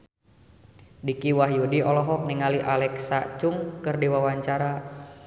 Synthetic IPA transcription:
dikiwaɦjudiɔlɔɦɔk̚niŋaliʔalɛksat͡ʃuŋkɨrdiwawaɲt͡ʃaɾa

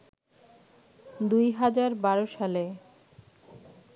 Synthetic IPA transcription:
d̪ujɦad͡ʑaɾbaɾoʃale

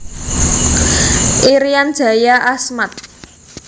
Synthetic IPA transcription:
ʔiɾijand̥ʒ̥a̤jaʔasmat̪̚

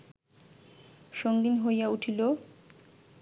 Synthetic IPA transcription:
ʃoŋɡinɦojauʈʰilo

